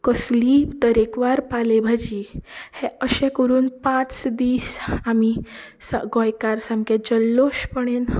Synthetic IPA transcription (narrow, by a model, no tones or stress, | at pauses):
kəslit̪əɾekʋaɾpalebʱad͡ʑihẽəɕɛ̃kəɾuːnpãt͡sd̪iːsamisaɡɔ̃jkaɾsãmked͡ʑəlːoɕpəɽ̃en